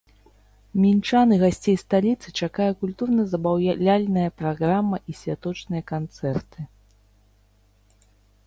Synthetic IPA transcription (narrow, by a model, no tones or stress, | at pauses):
mʲint͡ʂanɨɣasʲt͡sʲejst̪alʲit̪sɨt͡ʂakajɛkulʲt̪urnɐzɐbawlʲalʲnɐjɐpɾaɣɾamːɐʔisʲvʲat̪ɔt͡ʂnɨjɐkant̪sɛrt̪ɨ